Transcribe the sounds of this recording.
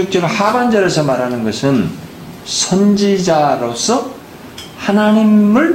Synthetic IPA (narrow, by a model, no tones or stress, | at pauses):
ok̚t͡ɕ͈ʌɾohaband͡ʑʌɾesʰʌmaɾanɯnɡʌsʰɯn | sʰʌnd͡ʑid͡ʑaɾos͈ʰʌ | hanaɲimmɯɭ